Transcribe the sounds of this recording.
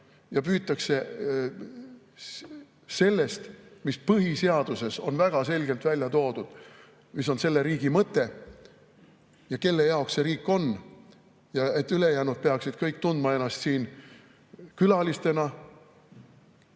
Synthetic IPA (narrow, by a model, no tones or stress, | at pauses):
jɑpyːt̪ːˑɑkse̞ | se̞lːe̞st̪mispɤɦise̞ɑd̪̥use̞so̞nvæɡ̥ɑse̞lʲɡ̥e̞lt̪vælʲjɑt̪o̞ːd̪̥ud̪̥ | mis̬o̞nse̞lːe̞ɾiːɡ̥imɤt̪ːˑe̞ | jɑke̞lːe̞jɑoksse̞ɾiːkːˑo̞n | jɑet̪ːˑyle̞jæːnud̪̚pe̞ɑksid̪̥kɤjk̚ːt̪und̪̥mɑe̞nːˑɑst̪siːn | kylɑlist̪e̞nɑ